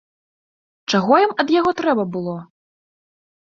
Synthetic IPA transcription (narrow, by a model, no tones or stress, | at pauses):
t͡ʂaɣɔjimɐd̪jaɣɔt̪ɾɛbɐbɨlˠɔ